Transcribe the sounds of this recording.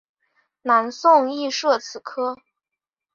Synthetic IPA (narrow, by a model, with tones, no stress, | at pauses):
na˧˥nsʊ˥˧ŋi˥˧ʂɤ˥˩t͡sʰɹ̩˨˩kʰɤ˥